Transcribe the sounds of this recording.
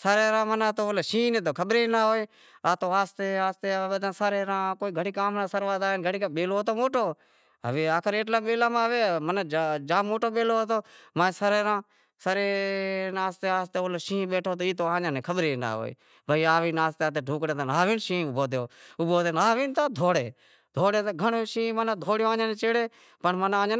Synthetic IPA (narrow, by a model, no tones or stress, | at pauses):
saːɾeːɾãːmənaːt̪oːoːleːʃĩːneːt̪̬oːkʰəɓɾeːnaːɦoːeː | aːt̪oːaːst̪eːaːst̪eːɓəd̪ãːsaːɾeːɾãːkoːiːɡʱəɽiːkaːmnãːsəɾʋaːd̪aːnɡʱəɽiːkaːɓeːloːt̪oːmoːʈoː | ɦə̰ʋeːaːkʰəɾeːʈlaːɓeːlaːmaːʋeːmənːd͡ʒd͡ʒãːmoːʈoːɓeːloːot̪oːmaːsəɾeːɾãː | səɾeːnaːst̪eːaːst̪eːoːloːʃĩːɓeːʈʰoːt̪oːiːt̪oːãːãːnẽːkʰəɓɾeːna̰ːo̰ːḭː | bəiːaːʋiːnaːst̪eaːt̪eːɖʱũːkɽeːt̪ːnaːʋiːnʃĩːbʱoːd̪joːʊboːt̪eːnaːʋiːnt̪aːd̪ʱoːɽeː | d̪ʱoːɽeːt̪ːɡʱəɳoːʃĩːmənaːd̪ʱoːɽjoːãːɲãːneːt͡ʃeːɽeː | pəɳmənãːa